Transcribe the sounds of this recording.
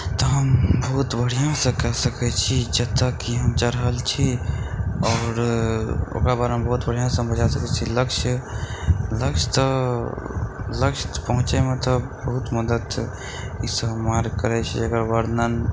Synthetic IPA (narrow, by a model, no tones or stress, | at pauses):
t̪ɔɦəmbəɦut̪bəɽ̤ijãsə̃kɛsəkɛt͡ʃʰid͡ʒət̪ːəkːiɦəmt͡ʃaɾəɦəlt͡ʃʰi | ɔːɾ | o̰kɾabaɾɦembəɦut̪bəɽ̤ijãsə̃mbəd͡ʒasəkɛt͡ʃʰiləkt͡ʃʰ | ləkʃʰt̪ɔ | ləkʃʰt̪pəɦũt͡ʃemet̪ɔbəɦut̪məd̪əd̪ | isə̃ɦəmaɾɡ̚kəɾɛt͡ʃʰḭəɡəɾʋəɾnən